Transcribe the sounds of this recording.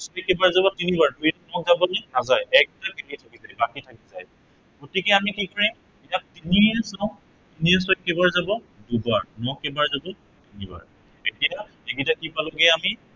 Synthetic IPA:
sɔjkebaɹzabɔtinibaɹbuinɔk̚zabɔnɛnazajɛk̚takelitʰakizajbakitʰakizaj | ɡ̥otikɛamikikɔɹĩ | ijak̚tinisaʊ̃ | tiniɛsɔjkebaɹzabɔ | dubaɹnɔkːebaɹzabɔ | tiniba̰ɹ | etija | eɡitakipalɔɡɛami

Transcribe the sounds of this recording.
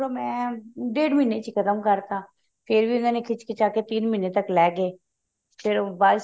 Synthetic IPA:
oːmɛ̃ːɖeːɖmiːneːt͡ʃkʰət̪əmkəɾt̪aː | pʰɪɾbiːʊnãːneːkʰɪt͡ʃkʰɪt͡ʃaːket̪iːnmɪneːt̪əklɛːɡeː | pʰɪɾbaːs

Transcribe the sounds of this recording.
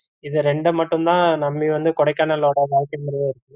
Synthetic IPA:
ɪðɯɾɛɳɖɯmɐʈːɯ̃nt̪ãːnɐmːiʋɐnd̪ɯkɔɽɐɪkːaːnɐloːɽɐʋaːɾkːɐmʊɾɪjeːɪɾɯkːɯ

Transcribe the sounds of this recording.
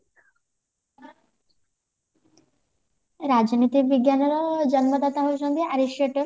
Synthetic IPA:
ɾad͡ʒnit̪ibiɡjanɔɾɔd͡ʒʌnmod̪at̪aɦoʃond̪iaɾiʃeʈo

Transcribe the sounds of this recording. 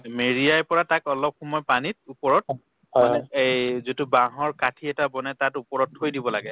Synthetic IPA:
meɹiajpɔɹatakɔlɔp̚xɔmɔjpanit̚upɔɹɔt̚ | anɛejzitubaɦɔɹkatʰiɛtabɔnɛtatupɔɹɔthojdibɔlaɡɛ

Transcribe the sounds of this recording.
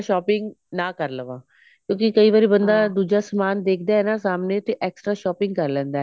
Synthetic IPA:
ʃɔːpɪŋɡ | nãːkəɾləʋãː | kjõːkikəiːʋaːɾiːbənd̪aːd̪uːd͡ʒaːsəmaːnd̪eːkʰd̪aːɦɛnaːsaːmneːt̪eʔɛːksʈɾaːʃɔːpɪ̃ŋɡkəɾlɛ̃ːnd̪aːɛ

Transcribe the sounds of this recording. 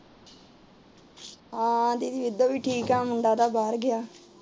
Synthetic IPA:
ɦãːd̪iːd̪iːʋɪd̪oːʋiːʈʰiːkɦɛ̃ːmʊɳɖaːd̪aːbaːɾɡɪjaː

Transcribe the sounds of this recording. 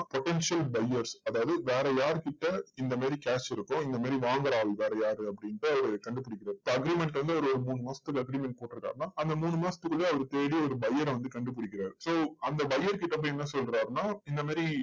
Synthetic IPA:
pɔʈɛnʂɪɐlbɐjːɐɾsɐðaːʋɐðɯʋeːɾɛjaːɾkɪʈːɐɪnd̪ɐmaːɾikaːt͡ʃɪɾɯkːʊ̃ɪnd̪ɐmaːɾiʋaːŋɡɐɾaːʋɐlʋeːɾɛjaːɾɯɐp̬ːɐɽɪnʈːɯɐʋɐɾɯkɐɳɖɯpɪɽɪkːɪɾaːɾsoɐɡɾiːmɛɳʈʋɐnd̪ɯɐɔʋɐɾɯɔɾɯmuːɳːɯmaːsɐ̥t̪ːɯkːɐɡɾimɛɳʈ̚poːʈːɪɾɯkːa̰ːɾnaːʔɐnd̪ɐmuːɳɯmaːsɐt̪ɯkːɯɭːeɐʋɐɾɯt̪eːɽiɔɾɯbɐjɐɾʋɐnd̪ɯkɐɳɖɯp̬ɪɽɪkːɪɾaːɾsoːɐnd̪ɐbɐjːɐɾkɪʈːɐp̬ːoːɛnːɐsɔlɾaːɾnaːɪnd̪ɐmaːɾi

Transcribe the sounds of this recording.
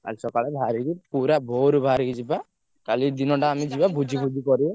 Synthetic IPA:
ka̰lit͡ʃɔkalɛbʱaɾikipuɾabʱoɾbʱaɾikid͡ʒiba | kalid̪inɔʈaːmid͡ʒibabʱud͡ʒʱibʱud͡ʒikɔɾi

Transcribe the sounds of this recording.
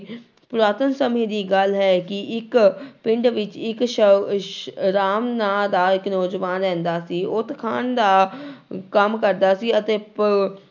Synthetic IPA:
pʊɾaːt̪ənsəmẽːd̪iːɡəlɦɛːkɪʔɪkpɪɳɖʋɪt͡ʃɪkʃə | ɾaːmnaːd̪aːɪknɔːzʋaːnɾɛ̃ːnd̪aːsiːʔʊt̪kʰaːnd̪aː | kəmkəɾd̪aːsiːət̪eː

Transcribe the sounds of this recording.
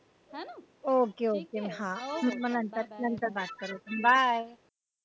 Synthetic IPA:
oːkeoːkemɦãmɛnɐ̃nt̪əɾlɐnt̪əɾbaːt̪̚kɐɾek̪ɐmbʱaj

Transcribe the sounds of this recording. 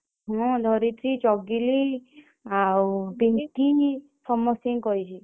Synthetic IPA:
ɦɔ̃d̪ʱɔɾit̪ʰɾit͡ʃɔɡili | apeʈini | sɔmːɔsĩŋkɔjt͡ʃʰi

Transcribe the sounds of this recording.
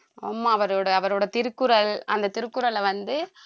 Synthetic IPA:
aːmːaːɐʋɐɾoːɽɐːʋɐɾoːɽɐt̪ɪɾɯkːɯɾɐlɐ̰nd̪ɐt̪ɪɾɯkːʊɾɐlɐʋɐnd̪ɯ

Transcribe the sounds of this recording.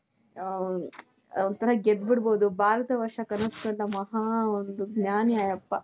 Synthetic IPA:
ont̪ːɐɾɐɡed̪biɽboːd̪ubaːɾɐt̪ɐʋɐɾʂɐkɐnɐskɐlːɐmɐɦaːond̪uɡnaːniaːjɐpːɐ

